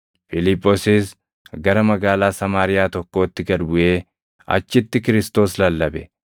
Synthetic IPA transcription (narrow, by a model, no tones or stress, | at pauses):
fɪlɪpʼːoːsɪs | ɡɐɾɐmɐɡaːlaːsɐmaːɾɪjaːt̪ɔkːo̞ːt̪ːɪɡɐd̪bʊʔe̞ː | ɐ̰t͡ʃːɪt̪ːɪkɪɾɪst̪o̞ːslɐlːɐbɛ